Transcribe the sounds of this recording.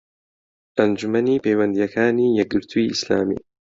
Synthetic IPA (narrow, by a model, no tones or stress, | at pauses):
ʔɐnd͡ʒumɐniːpejwɐnd̪ijɐkʰaːniːjɛɡ̚ɨɾt̪ʰuiʔislaːmḭː